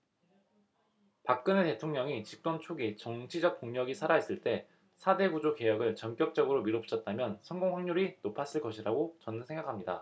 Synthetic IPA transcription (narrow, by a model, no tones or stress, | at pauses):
pak̚k͈ɯnete̞tʰoŋɲʌŋit͡ɕik̚t͈ont͡ɕʰoɡit͡ɕʌŋt͡ɕʰid͡ʑʌk̚p͈oŋɲʌɡisʰaɾaɦes͈ɯɭt͈e̞ | sʰade̞ɡud͡ʑoke̞jʌɡɯɭt͡ɕʌnk͈jʌk̚t͡ɕ͈ʌɡɯɾomiɾop̚t͡ɕ͈ʰʌt̚t͈amjʌnsʰʌnɡoŋɸwaŋɲuɾinopʰas͈ɯɭk͈ʌɕʰiɾaɡot͡ɕʌnɯsʰe̞ŋɡakʰamɲida̰